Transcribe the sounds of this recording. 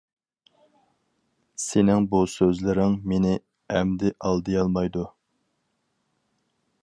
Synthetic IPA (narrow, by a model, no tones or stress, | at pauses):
senɪŋbusøzlɪɾɪŋmenɪ | ɛmd̪ɪʔɑlˠd̪ɨjɑlˠmɑjd̪u